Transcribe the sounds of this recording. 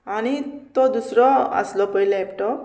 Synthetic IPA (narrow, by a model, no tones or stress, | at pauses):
anit̪od̪usɾɔa̰slopʌilaepʈɔ